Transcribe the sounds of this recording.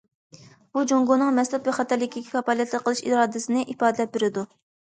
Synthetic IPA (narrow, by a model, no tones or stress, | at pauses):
b̥ud͡ʒoŋɡonɨŋmɛslˠɛt̪vɛχɑt̪ɛɾlːɪkʲʰikʲʰi̥kʰɑpɑlˠɛt̪ʰləqʰːəlˠɨʃiɾɑːd̪ɨsɨnɨʔipɑːd̪ɨlɛp̚beɾɪd̪u